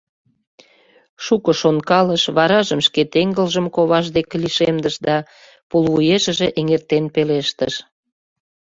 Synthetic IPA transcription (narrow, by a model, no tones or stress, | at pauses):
ʃukəʃonkɑləʃβɑɾɑʒəmʃket̪eŋɡəlʒəmkoβɑʃ̬d̪ekeliʃemd̪əʃd̪ɑ | pulβujeʃəʒeʔeŋert̪enpeleʃt̪əʃ